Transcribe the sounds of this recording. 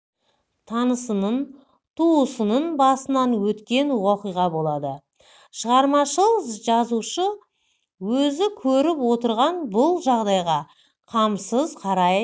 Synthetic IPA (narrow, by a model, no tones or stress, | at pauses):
t̪ʰɑnəsənən | t̪ʰuəsənənbɑsənɑnwɵt̪kʲe̞nwɑqijʁɑbo̞lˠɑd̪ə | ʃəʁɑɾmɑʃəlˠəzʒɑzuʃə | wɵzɪkʲʰɵɾɪpwo̞t̪əɾʁɑnbʊlˠʒɑʁd̪ɑjʁɑ | qʰɑmsəzqʰɑɾɑj